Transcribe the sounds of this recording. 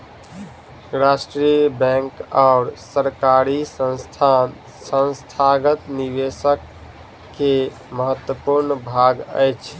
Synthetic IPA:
ɾasʈɾijəbɛ̃ŋkaʊɾsəɾkaɾisə̃nst̪ʰ | sə̃nst̪ʰaɡət̪niʋesəkː | e | məɦət̪wəpuɾnbʱaɡə̰jt͡ʃʰ

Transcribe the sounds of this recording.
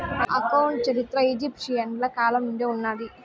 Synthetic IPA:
ɐ̰kɐwɳɖ̚t͡ʃɐɾit̪ɾɐid͡ʒipʈʂijɐɳɖlɐkaːlɐmunɖeunːaːɽi

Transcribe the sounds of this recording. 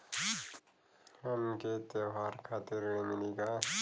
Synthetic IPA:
hɐmket̪eɦaːɾkʰaːt̪iɾmɪliɡaː

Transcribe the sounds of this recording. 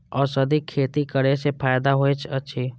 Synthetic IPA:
ɔːɾsɐd̪ikʰːeːt̪ikəɾesepʰaːjd̪aɦoet͡ʃʰɐtːʃʰiː

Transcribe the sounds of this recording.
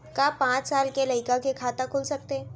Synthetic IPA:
kaːpãːt͡ʃsaːlkelɐɪkakekʰaːt̪ãkʰʊːlsɐk̚t̪e

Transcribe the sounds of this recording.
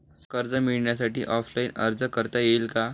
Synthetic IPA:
kəɾd͡zəmiɭɳjasaʈḭːʔɔfʰlainə̰ɾd͡zəkəɾt̪ajeilka

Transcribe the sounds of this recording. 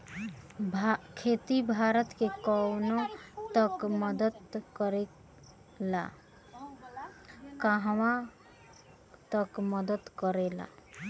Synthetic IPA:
bʱkʰet̪ibʱaɾət̪kekɔwnot̪əkməd̪əd̪kəɾe | la̰ | kaɦwa | t̪əkməd̪ət̪kəɾela̰

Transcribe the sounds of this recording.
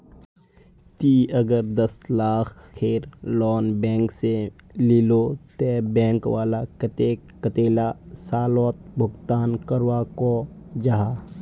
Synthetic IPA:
t̪iːəɡəɾd̪əslaːkʰkʰeːɾlɔːnbɛ̃ːŋkse | lilot̪ɛbɛ̃ːŋkwaːlakət̪e | kət̪eːlasaːlɔːt̪̚bʱʊɡt̪aːnkəɾwakod͡ʒaɦaː

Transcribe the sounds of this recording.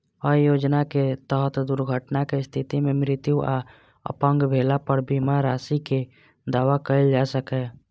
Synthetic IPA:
əjoːd͡ʒnaket̪əɦət̪d̪uɾɡʱəʈnakest̪ʰɪt̪imẽmɾɪt̪juʔa | ə̰pə̃ŋɡbʱeːlapəɾbimaɾaːsike | d̪aːʋakəɪld͡ʒaːsəkɛː

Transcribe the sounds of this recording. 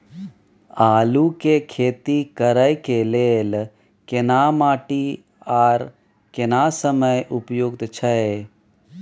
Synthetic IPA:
aːlukekʰeːt̪ikəɾəjkeleːl | kenaːmaːʈi | aːɾ | kenasəməjʔʊpjoɡt̪t͡ʃʰəe

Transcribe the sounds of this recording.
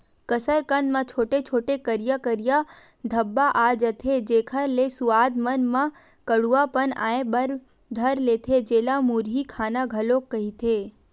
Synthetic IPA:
kəsəɾkənmãt͡ʃʰoːʈet͡ʃʰoːʈekəɾjakəɾɪja | d̪ʱəbːaʔad͡ʒət̪ʰed͡ʒeːkʰəɾlesuaːd̪mənmã | kəɽuapəna̰ːebəɾ | d̪ʱəɾleːt̪ʰed͡ʒeːlamuɾɦikʰaːnaɡʱəlokːəɦit̪ʰe

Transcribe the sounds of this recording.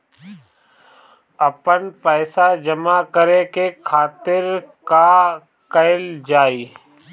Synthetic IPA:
ɐpənpɛːsad͡ʒəmakəɾekekʰaːt̪ɪɾka | kəɪld͡ʒaːiː

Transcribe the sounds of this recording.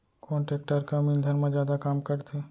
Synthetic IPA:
koːɳʈeːk̚ʈəɾkamild̪ʱənmẽd͡ʒjaːd̪akaːmkəɾt̪ʰe

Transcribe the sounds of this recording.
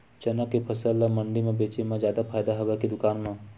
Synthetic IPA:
t͡ʃɐnəkːepʰəsəlːamɐ̃ɳɖimẽbeːt͡ʃemẽd͡ʒjaːd̪apʰaːjd̪aɦɐʋekid̪ʊkaːnmẽ

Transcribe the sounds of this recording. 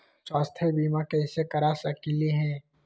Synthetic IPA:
t͡ʃɔːst̪ʰebiːmakɛɪsekɐɾaːsɐkiːliɦɛ̃ː

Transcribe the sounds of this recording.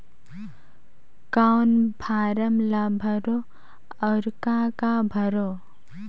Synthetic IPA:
kawnbʱaɾəmlabʱʌɾo | ʌɾkakabʱʌɾo

